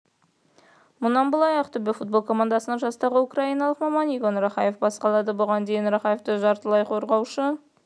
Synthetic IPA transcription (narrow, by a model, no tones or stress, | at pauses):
mʊnɑnbəlˠɑjɑqt̪ʰʏbɪfut̪̚bo̞lˠkʰo̞mand̪ɑsənəɴʒɑst̪ɑʁəukraijnɑlˠəqmɑmɑnijɡonɾaχɑje̞fbɑsqɑlˠɑd̪əbʊʁɑnd̪e̞jɪnɾaχɑje̞ft̪əʒɑɾt̪əlˠɑjqʰo̞ɾʁɑwʃə